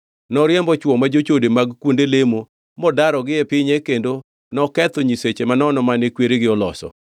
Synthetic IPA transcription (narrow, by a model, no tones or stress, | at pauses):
nɔɾɪjɛmbɔt͡ʃwɔmad͡ʒot͡ʃodemaɡkwondelemo | mɔdaɾɔɡɪɛpɪɲekendo | nɔkɛt̪ɔɲiset͡ʃemanɔnɔmanɪkweɾeɡɪɔlɔsɔ̰